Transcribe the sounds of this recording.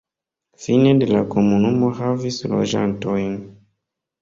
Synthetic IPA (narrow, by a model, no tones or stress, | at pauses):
finedelakomunumohavislo̰ʒa̰ntojn